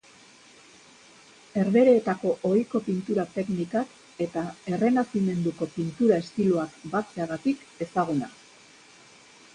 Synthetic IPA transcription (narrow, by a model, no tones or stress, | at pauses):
e̞ɾðe̞ɾeːt̪ako̞ʔojko̞pint̪uɾat̪e̞knikak | e̞t̪ae̞re̞nasime̞nd̪uko̞pint̪uɾae̞st̪iluakbat͡se̞aɣat̪ik | e̞saɣ̞una̰